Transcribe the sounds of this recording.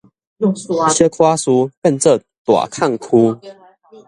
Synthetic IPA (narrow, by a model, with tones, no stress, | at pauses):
ɕɛ˦kʰwa˦su˦fə˥˧˨nt͡sə˥˨ | t̪wa̰˨˩kʰa˥˨ŋkʰu˦